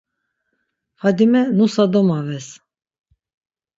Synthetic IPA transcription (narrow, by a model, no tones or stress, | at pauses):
fad̪imɛnusad̪ɔmavɛs